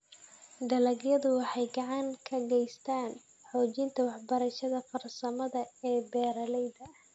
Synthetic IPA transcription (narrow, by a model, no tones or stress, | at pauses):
d̪ɐlɐɡjɐðʊwɑħɑjɡɑʕɑŋkʰɐɡɛjst̪ʰaːn | ħɔːt͡ʃɪnt̪ʰɐwɑħbɐɾɐʃɐðɐfɐrsɐmɐðɐɛːbɛːɾɐlɛjd̪ɐ